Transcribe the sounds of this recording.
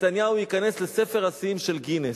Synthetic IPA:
t̪anjaujikane̞slese̞fe̞ʁasimʃe̞lɡine

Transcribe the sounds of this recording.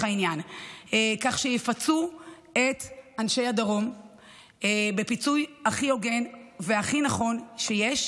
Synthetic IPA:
ainjanekaχʃejefat͡su | e̞tanʃe̞jhadaʁo̞m | ebe̞pit͡sujaχio̞ɡe̞nveaχinaχo̞nʃejeʃ

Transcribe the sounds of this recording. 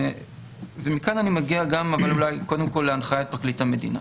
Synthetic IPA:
vemikananimaɡiaɡamavalulajko̞d̪e̞mko̞lːeanχaaet̪̚pʁaklithame̞dina̰

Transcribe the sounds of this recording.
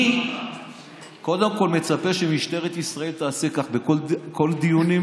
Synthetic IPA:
ko̞d̪e̞mko̞lme̞t͡sape̞ʃemiʃt̪e̞ʁet̪isʁae̞lt̪aːsekaχbekoko̞ld̪ijunim

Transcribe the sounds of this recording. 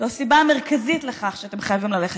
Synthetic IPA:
oasibame̞ʁkazitleχaχʃeat̪e̞mχajavimlaleχe

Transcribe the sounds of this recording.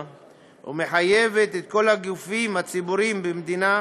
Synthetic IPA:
ṵme̞ħaje̞ve̞t̪et̪̚ko̞lhaɡufimhat͡sibuʁimbemd̪ina

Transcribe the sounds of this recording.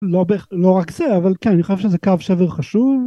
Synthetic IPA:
lobeχlo̞ʁakzeavalkenaniχoʃevʃezekavʃeveʁχaʃuv

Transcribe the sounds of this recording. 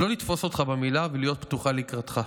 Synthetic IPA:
lo̞lit̪fo̞so̞t̪χabemilavelijo̞t̪̚pt̪uχaleikʁat̪χa

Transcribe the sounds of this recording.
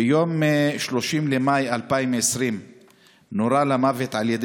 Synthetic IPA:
jo̞mːeʃlo̞ʃimlemajalpaimesʁim | noɾalamavet̪ʕaljed̪

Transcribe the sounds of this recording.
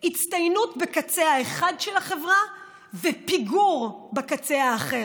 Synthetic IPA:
hit͡stajnutbekat͡seaeχadʃelaχe̞vʁa | vepiɡuʁbakat͡seaːχe̞ʁ

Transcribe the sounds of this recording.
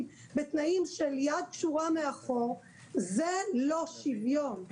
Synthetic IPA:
m | bet̪naimʃeljad̪̚kʃuʁameaχoʁ | zelo̞ʃivjon

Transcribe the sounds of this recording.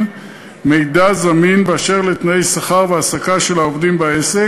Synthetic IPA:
mejd̪azaminbeaʃe̞ʁlet̪naejsaχaʁveasakaʃe̞laovd̪imbaese

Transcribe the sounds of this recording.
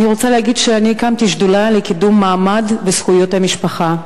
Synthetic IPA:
niʁot͡salehaɡidʃeanikamtiʃdulalekidumːaːmadbesχujo̞thamiʃpaχa

